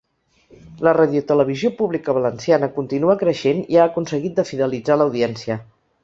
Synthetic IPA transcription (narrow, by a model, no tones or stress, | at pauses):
ləraðiut̪ələβ̞iziopuβlikəβələnsianəkunt̪inuəkɾəʃeniaəkunsəɣit̪̚d̪əfiðəlid͡zaləwðiɛnsiə